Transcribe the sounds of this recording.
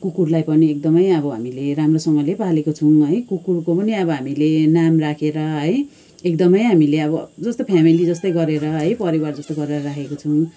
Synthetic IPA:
kukurlajpʌniek̚d̪ʌmʌjʌbʌɦamileɾamrosʌŋɡʌlepalekot͡sʰʌw̃ɦʌjkukurkopʌniʌbʌɦamilenamrakʰeɾʌɦʌj | ek̚d̪ʌmʌjɦamileʌbʌd͡zʌst̪opʰjamilid͡zʌst̪ʌjɡʌɾeɾʌɦʌjpʌɾiward͡zʌst̪oɡʌɾeɾʌrakʰekot͡sʰʌw̃

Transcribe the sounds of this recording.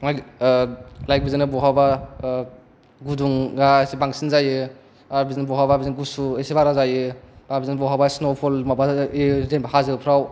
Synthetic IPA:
aj | lajk̚bizenɯbɔɦaba | ɡuduŋɡasibaŋsinzajɯ | aɾbizenbɔɦababizinɡusuesibaɾazajɯbabizenbɔɦabasnopʰolmabaizembahazɯɯpʰɾaw

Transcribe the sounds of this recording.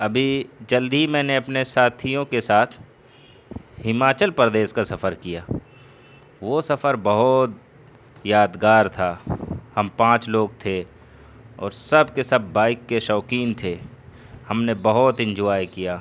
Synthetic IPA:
ɐbʱid͡ʒɐld̪ʱimɛ̃ːneɐpnesaːt̪ʰijõkesaːt̪ʰ | hɪmaːt͡ʃəlpɾəd̪eːʃkasɐfəɾkijaː | ʋosɐfəɾbɐɦʊt̪ | jaːd̪ɡaːɾt̪ʰaːhɐmpãːt͡ʃloːɡ̚t̪ʰe | ɔ̰ːɾsɐb̚kesɐbːaːɪkːeʃɔːkiːnt̪ʰe | hɐmnebɐɦʊt̪ɪ̃nd͡ʒuaːjkijaː

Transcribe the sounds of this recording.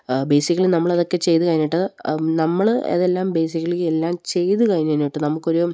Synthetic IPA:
bejsikʲːɐɭinɐmːɐɭɐðo̞kːe̞t͡ɕe̞jt̪ːukɐjinːiʈːɨnɐmːɐɭɐ̰ðe̞lːaːmbe̞ːsikʲːɐɭikʲːelːaːmt͡ɕe̞jt̪ukɐjnnːijiʈːɨnɐmukːo̞ɾu

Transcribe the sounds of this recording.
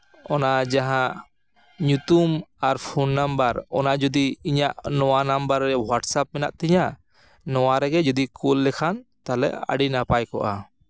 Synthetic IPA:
ɔnad͡ʒaɦãʔ | ɲut̪umaɾpʰunːambəɾɔnad͡ʒɔd̪iiɲaʔnɔwanambəɾːɛwaʈsap̚mɛnaʔ̚t̪ɛɲa | nɔwaɾɛɡɛd͡ʒɔd̪ikulːɛkʰant̪alɛ̰ʔa̰ɖinapajkɔ̰ʔa

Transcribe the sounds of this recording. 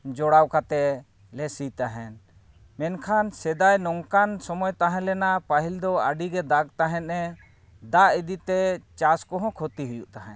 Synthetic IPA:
d͡ʒɔɽawkat̪ɛ | lɛsit̪aɦɛn | mɛnkʰansɛd̪ajnɔŋkansɔmɔjt̪aɦɛ̃lɛnaʔpaɦild̪ɔa̰ɖiɡɛd̪aɡ̚t̪aɦɛ̃nɛ | d̪aid̪it̪ɛt͡ʃaskɔɦɔ̃kʰot̪iɦujuʔt̪aɦɛ̰̃n

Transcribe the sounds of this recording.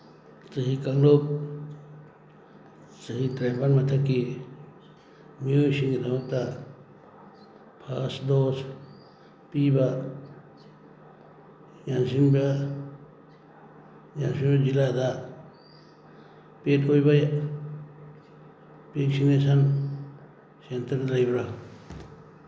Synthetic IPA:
səɦikɐŋloːk̚ | səɦit̪ɾeːpanmɐt̪ʰɐki | miosiŋɡt̪ʰɐmɐt̪a | pʰaːsd̪oːs | piːba | jansinba | jansinbad͡ʒilad̪a | petʰojbaja | beksinesan | sent̪əɾd̪ɾajbɾa

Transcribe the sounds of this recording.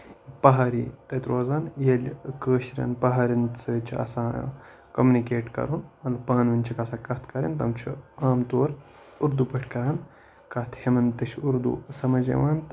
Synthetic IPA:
pɐɦaːɾiːt̪ɐt̪ɾoːzaːnjelʲkəːʃɾʲɐ̰npɐɦaːɾinsɐt͡ʃʰiɐ̰sãː | kɐmjunikeːʈkɐ̰ɾuːnmɐt̪lɐbpaːnʋinʲt͡ʃʰikɐsãːkɐt̪ʰkɐɾɐ̰nt̪ɐmt͡ʃʰḭaːmt̪oːɾ | uɾd̪upɐʈʰkɐɾaːn | kɐt̪ʰhemɐnt̪ɐʃʰuɾd̪ṵsɐmɐd͡ʒḛʋaːnt̪

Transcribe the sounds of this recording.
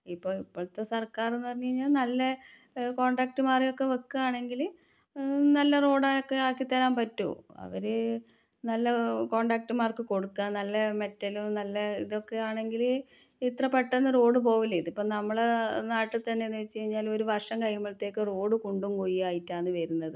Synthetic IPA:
ipːoːipːoːɭt̪ːesɐrkaːrenːɨpɐrɐŋːɐiɲːaːlnɐlːɐ | ko̞ːɳɖaːk̚ʈɨmaːrijo̞kːe̞okːɨaːɳe̞ŋɡil | nɐlːɐro̞ːɽaːjokːeaːkːit̪ːɐlaːmpɐtːṵɐ̰ʋɐɾɨ | nɐlːɐko̞ːɳɖaːk̚ʈɨmaːrkɨko̞ɽukːaːnnɐlːɐmetːɐlumnɐlːɐiðo̞kːeaːɳe̞ŋɡil | it̪rɐpːeʈːenːɨro̞ːɽɨp̬o̞ːʋilːɐiðipːoːnɐmːɐɭenaːʈːɨt̪ɐnːenet͡ɕːejiɲːaːlo̞ɾuʋɐrʂɐŋkɐjmɐɭt̪ːe̞ːkːɨro̞ːɽɨkoɳɖumkojiaːjitːaːnːɨʋɐɾunːɐðɨ

